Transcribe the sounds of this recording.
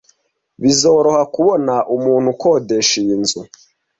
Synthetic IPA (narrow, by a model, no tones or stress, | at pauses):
βizoːɾo̞hakuβonaʔumuːn̥hukoːde̞ʃiːnzu